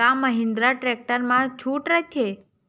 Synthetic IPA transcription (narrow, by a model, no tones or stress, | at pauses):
aməɦɪ̃nd̪ɾaʈɾek̚ʈəɾmãt͡ʃʰuʈɾət͡ʃʰe